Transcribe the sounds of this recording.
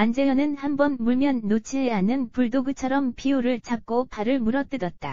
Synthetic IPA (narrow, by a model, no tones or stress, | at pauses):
and͡ʑejʌnɯnhanbʌnmuɭmjʌnːot͡ɕʰiɦeanɯnpuɭdoɡɯt͡ɕʰʌɾʌmpʰioɾɯɭt͡ɕʰap̚k͈opaɾɯɭmuɾʌt͈ɯdʌt̚t͈a